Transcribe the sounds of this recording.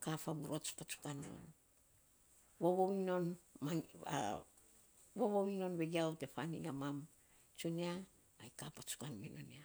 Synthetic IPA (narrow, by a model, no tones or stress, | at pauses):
kafabuɾot͡ʃpat͡ʃu̥kanio̞̰n | woβowino̞nmaa̰ | woβowino̞nβe̞ɡiawte̞fanḭŋamam | t͡ʃuneaː | jkapat͡ʃu̥kanmino̞̰nia